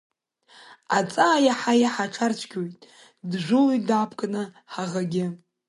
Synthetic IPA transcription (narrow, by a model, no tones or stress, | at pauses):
at͡sʼaːjaħajaħaʈ͡ʂʰart͡ʃʷʰɡʲojtʼ | dʐʷɨlidapʰkʼanɨ | ħaʁaɡʲɪ